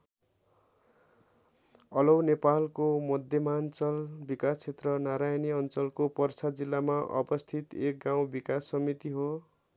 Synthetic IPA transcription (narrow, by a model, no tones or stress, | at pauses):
ʌlʌwnepalkomʌd̪ʱjʌmant͡sʌlbikast͡sʰet̪rʌnaɾajniʌnt͡sʌlkopʌrsad͡zilːamaʔʌ̰bʌst̪ʰit̪ek̚ɡaw̃bikasːʌmit̪iɦo